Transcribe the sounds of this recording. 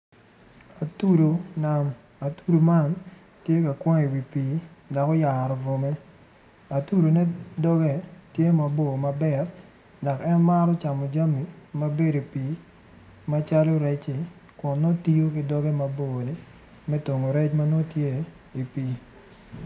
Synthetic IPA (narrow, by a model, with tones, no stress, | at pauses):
a˨tu˦ɾo˨na˨m | a˨tu˦ɾo˨ma˦˨n | tje˦ka˨kwɔ˦ŋe˨wi˨pi˨˦da˨kɔ˦ja˨ɾɔ˨vo˨me˦ | a˨tu˦ɾo˨nɛ˦dɔ˦ɡɛ˦˨tje˦ma˨bo˨ma˨bɛ˨t | da˨kɛ˦nma˦ɾɔ˦t͡ʃa˨mo˨d͡ʒa˦mi˨˦ma˦be˦do˨pi˨ | ma˦t͡ʃa˦lo˦ɾɛ˦t͡ʃɪ˨ | kʊ˨nːo˦ti˦jo˦kɪ˨dɔ˦ɡɛ˦ma˨bo˦˨nɪ˦ | mɛ˦to˨ŋo˨ɾɛ˦t͡ʃma˦no˦tje˦ | i˨piː˨˦